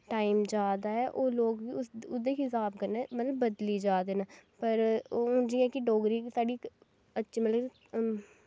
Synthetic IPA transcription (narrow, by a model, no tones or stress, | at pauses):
ʈaːimd͡ʒaːd̪aːɛːʔoːloːɡʊʊd̪eːkɪsaːb̚kəɾneːmət̪ləbːəd̪liːd͡ʒaːd̪eːnaːpəɾʊ̃d͡ʒĩːɛ̃ːkɪɖoːɡɾiːksaːɖiː | ətːʃʰiːməl